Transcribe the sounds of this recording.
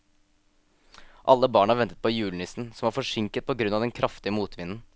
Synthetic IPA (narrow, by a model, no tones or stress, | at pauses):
ʔɑ̰lːəbɑːɳhɑɾʋɛnt̪ət̪̚pʰɔjʉːlnɪsn̩sɔmʋɑːɾfɔʂɪŋkət̪̚pʰɔɡɾʉnɑʋd̪ɛnkʰɾʔɑft̪ɪəmuːt̪ʰʋɪnn̩